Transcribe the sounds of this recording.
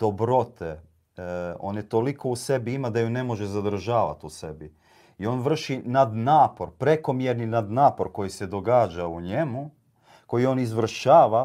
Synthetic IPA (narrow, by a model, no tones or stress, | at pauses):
d̪̥o̞bɾo̞t̪ʰe | o̞̰net̪o̞liko̞use̞biimad̪ajune̞mo̞ʒezad̪r̩ʒaːʋa̰t̪use̞bi | io̞nʋr̩ʃinad̪naːpo̞ɾpɾe̞ko̞mjeɾninad̪naːpo̞ɾko̞jise̞d̪o̞ɡaːd͡ʑauɲe̞mu | ko̞jio̞nizʋr̩ʃaːʋa